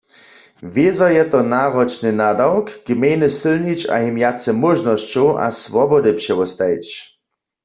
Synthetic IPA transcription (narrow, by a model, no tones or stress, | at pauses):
vezajɛt̪ɔnaʁɔt͡ʃnɨnadawkɡ̥mejnɪsɪlnit͡ʃa̰ɦimjat͡sɛmɔʒnɔst͡ɕɔwʔa̰svɔbɔdɨpʃɛwɔst̪ajt͡ʃ